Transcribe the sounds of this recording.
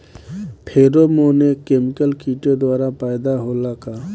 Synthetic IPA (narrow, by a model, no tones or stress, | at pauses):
pʰeːɾoːmoːnekeːmɪkəlkiːʈed̪waːɾapaːjd̪aɦoːlakaː